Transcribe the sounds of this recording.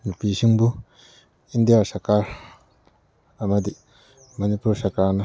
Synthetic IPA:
mipisiŋbu | ind̪ijasɐkaɾ | ɐmɐd̪i | mɐnipuɾsɐkaɾnɐ

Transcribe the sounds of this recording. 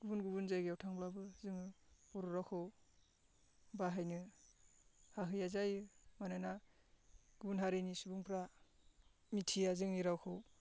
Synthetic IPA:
ɡ̥ubunɡubunzajɡiawtʰaŋblabɯzɯŋɯbɔɾuɾawkʰɯw | baɦajnɯ | haɦɯjazajɯmanajna | ɡ̥ubunɦaɾenisubuŋpʰɾa | mitʰijazɯŋniɾawkʰɯw

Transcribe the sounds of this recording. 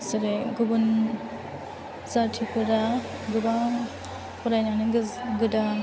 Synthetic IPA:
sɯɾeɡɯbun | zatʰipʰɯɾa | ɡɯba | pɔɾajnanɯɡɯda

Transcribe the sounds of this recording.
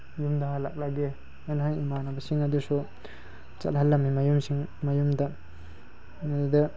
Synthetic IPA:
jumd̪aɦalak̚laɡe | anɦajimanabɐsiŋad̪usu | t͡ʃalɦalːamimajumsiŋmajumd̪a | nadud̪a

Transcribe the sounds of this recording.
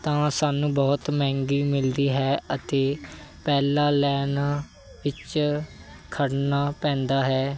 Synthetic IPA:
t̪ãːsaːnũːbɔːt̪mɛ̃ːŋɡiːmɪld̪iːɦɛːət̪eːpɛːlãːlɛːnaː | ʋɪt͡ʃ | kʰəɽnaːpɛ̃ːnd̪aːɦɛː

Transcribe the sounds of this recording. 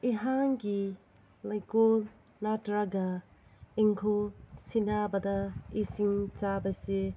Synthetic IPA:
iɦaŋɡi | lajkol | natɾaɡɐ | iŋkʰosinabɐdɐisiŋt͡ʃabɐse

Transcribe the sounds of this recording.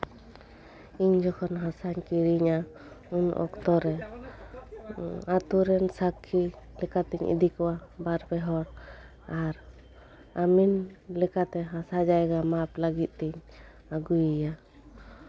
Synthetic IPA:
iɲd͡ʒɔkʰɔnɦasaɲkiɾiɲa | unʔɔ̰kt̪ɔɾɛ | at̪uɾɛnsakʰːilɛkat̪iɲḭd̪ikɔwabaɾpɛɦɔɽ | aɾ | aminlɛkat̪ɛɦasad͡ʒajɡamaplaɡit̪̚t̪iɲ | aɡujija

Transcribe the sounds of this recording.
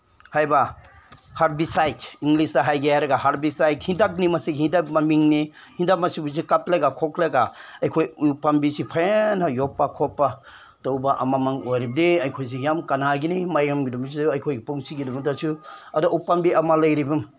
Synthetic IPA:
hajba | haɾ̚bisajtiŋlisdaɦajɡiajɾaɡaɦaɾ̚bisajthindak̚nimasiɡhindap̚mamiŋnihindap̚masibus̬ikap̚lajɡakʰɔklaɡaajkʰojupambisipʰajnajɔpːakʰɔpːa | towbaʔa̰mamaŋojɾib̚deajkʰojs̬ejamkanaɡinimajɡamɡidums̬iajkʰojɡepuŋsiɡidumutasuadɔʔupambiamalajɾibum

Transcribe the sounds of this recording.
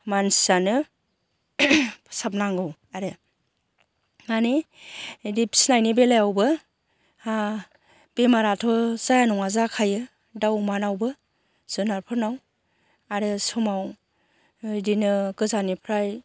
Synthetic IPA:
mansi̥anɯ | sap̚naŋɡɯw | aɾɯ | mane | dipʰsnajnibelajawbɯ | a | b̥emaɾatʰɔzajanɔŋazakʰajɯ | dawmanawbɯ | z̥ɯnaɾpʰɯɾnaw | aɾɯsɔmaw | dinɯɡɯzanipʰɾaj

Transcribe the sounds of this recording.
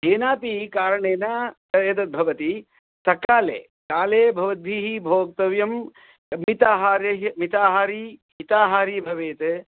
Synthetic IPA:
eːnaːpikaːɾɐɳeːnat̪ɐjɐt̪̬ɐt̪̚bʱɐʋɐt̪i | sɐkaːlḛː | kaːleːbʱɐʋɐd̪̚bʱiːɦibʱoːk̚t̪ɐʋjɐm | mit̪aːɦaːɾjɐɦmit̪aːɦaːɾiɦit̪aːɦaːɾibʱɐʋeːt̪e

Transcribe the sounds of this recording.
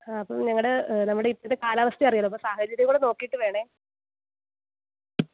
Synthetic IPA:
aːɐpːomɲɐŋːɐɽenɐmːuɽeipːot̪ːekaːlaːʋɐst̪jiɐrijaːloɐpːomsaːhɐt͡ɕɐɾʲjɐkuːɽeno̞ːkːijʈːɨʋe̞ːɳe

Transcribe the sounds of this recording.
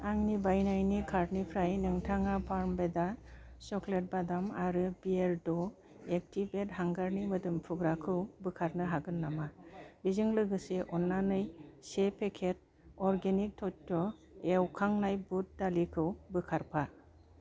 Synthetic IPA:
aŋnibajnajnikʰaɾ̚nipʰɾajnɯŋtʰaŋapʰaɾmbeda | sɔklet̚badamaɾɯbieɾdɔ | ek̚tibet̚haŋɡaɾnimɯdɯmpʰuɡɾakʰɯwbɯkʰaɾnɯɦaɡɯnːamabizɯŋlɯɡɯseʔɔnːanɯjsepʰekʰet̚ | ɔɾɡenik̚tʰɔtɔewkʰaŋnajbut̚dalikʰɯwbɯkʰaɾpʰa

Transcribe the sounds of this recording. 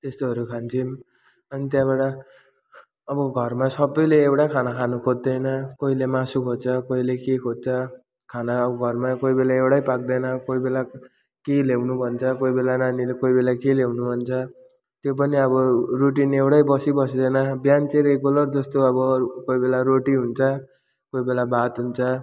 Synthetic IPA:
t̪est̪oʌɾukʰant͡sʰim | ʌnit̪jãbaʈʌ | ʌbʌɡʱʌrmasʌbːʌjleːwɽakʰanakʰanukʰod̪̚d̪ʌjnʌkoilemasukʰod̪t͡sʰʌkoilekekʰot̪̚t͡sʰʌ | kʰanaːbʌɡʱʌrmakoibelaewɽajpak̚d̪ʌjnʌkoibela | kelewnubʱʌnt͡sʰʌkoibelananilekoibelakelewnubʱʌnt͡sʰʌ | t̪jop̬ʌniʌbʌroʈinewɽajbʌsibʌs̬d̪ʌjnʌbjant͡seɾeɡolʌrd͡zʌst̪oʌbʌkojbelaɾoʈiɦunt͡sʰʌ | koibelabat̪ɦunt͡sʰʌ

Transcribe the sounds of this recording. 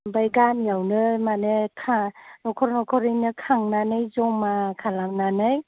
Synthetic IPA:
bajɡanjawnɯmanekʰanɔkʰɔɾnɔkʰɔɾɯjnɯkʰaŋnanajzɔŋmakʰalamnanaj

